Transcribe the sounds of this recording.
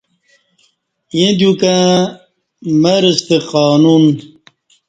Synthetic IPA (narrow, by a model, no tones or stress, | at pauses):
jẽd̪jukã | mɐɾəst̪eqaːnun